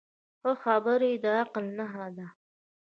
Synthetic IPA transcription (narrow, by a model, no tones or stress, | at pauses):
xəxɑbəɾed̪əaqlnaɦad̪a